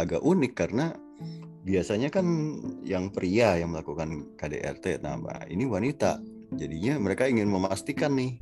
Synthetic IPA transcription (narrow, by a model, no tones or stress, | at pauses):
aɡaʔunɪkːaɾəna | biasaɲakanjaŋpəɾiajaŋməlakukankadḛʔɛ̰rt̪ḛna̰ma̰ḭniwanit̪a̰ | d͡ʒadiɲaməɾekaiŋɪnməmast̪ikanːɪh